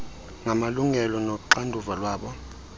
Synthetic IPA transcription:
ŋamaluŋɛlɔnoǃandʱuvalwaːɓɔ

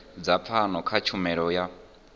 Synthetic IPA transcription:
d͡zap̪fʰanɔkʰat͡ʃʰumɛɺɔja

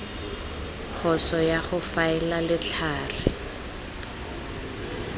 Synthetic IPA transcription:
k͡xʰɔsɔjaχʊfaɛlalɪt͡ɬʰaːrɪ

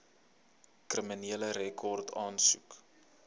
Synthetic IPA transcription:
krəminiələɾɛkʰɔrtʰɑːnsuk

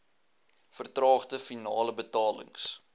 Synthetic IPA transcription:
fərtrɑːχdəfinɑːləbətɑːlə̰ŋs

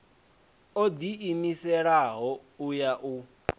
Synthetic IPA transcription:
od̪iimisɛɺaɦɔujaʔu

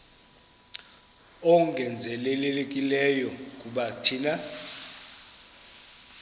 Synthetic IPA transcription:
ɔŋɡʱɛnd͡zʱɛlɛleek̬ʼilɛjɔkʼuɓatʰina

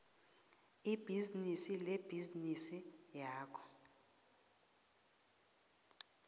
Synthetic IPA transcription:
ib̥ʱiznisileb̥ʱiznisijaːkʰɔ̥

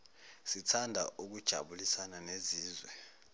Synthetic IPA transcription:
sitʰandʱa̰ʔuk̬ud̥ʒ̥ʱa̰ɓulisananeziːzwɛ

